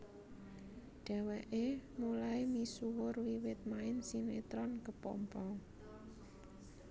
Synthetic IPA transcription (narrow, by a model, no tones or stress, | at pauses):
ɖ̥ɛ̤wɛʔemulaimisuwʊrwiwɪt̪̚maɪnsinet̪ɾɔnkəpɔ̰mpɔŋ